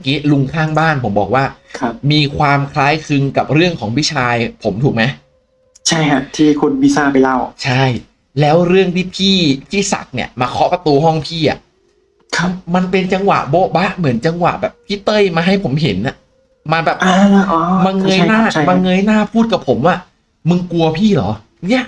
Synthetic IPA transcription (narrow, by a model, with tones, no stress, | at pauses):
kiː˦˥lu˧ŋk̪ʰaː˥˩ŋbaː˥˩npʰo˩˦mbɔː˨˩k̚waː˥˩kʰmiː˧kʰwaː˧mkʰlaː˦˥jkʰɯ˧ŋka˨˩p̚ɾɯ˥˩əŋkʰɔː˩˦ŋwʰi˦˥t͡ɕʰaː˧jpʰo˩˦mt̪ʰuː˨˩k̚ma˦˥j | t͡ɕʰa˥˩jkʰa˦˥t̪ʰiː˥˩kʰu˧nwi˦˥saː˥˩pa˧jla˥˩wt͡ɕʰa˥˩j | lɛː˦˥wɾɯ˥˩əŋt̪ʰiː˥˩pʰiː˥˩pʰiː˥˩sa̰˨˩k̚ni˧˩əmaː˧kʰɔ˦˥pa˧t̪uː˧ɦɔ˥˩ŋpʰiː˥˩ʔa̰˨˩ʔ | kʰma˧npe˧nt͡ɕa˧ŋwa̰˨˩ʔbo˦˥ba˦˥ʔmɯ˩˦ənt͡ɕa˧ŋwa̰˨˩ʔbɛː˨˩p̚pʰiː˥˩t̪ɤ˥˩jmaː˧ɦa˥˩jpʰo˩˦mɦe˩˦nʔa˨˩ʔ | ma˧nbɛː˨˩pʔaː˧ʔɔː˧ma˧ŋɤ˧jnaː˥˩˥maː˧ŋɤ˧jnaː˥˩pʰuː˥˩t̪̚ka˨˩pʰo˩˦mwaː˥˩ | mɯ˧ŋku˧ɐpʰiː˥˩lɔ̰ː˩˦ | ni˦˥ɐʔ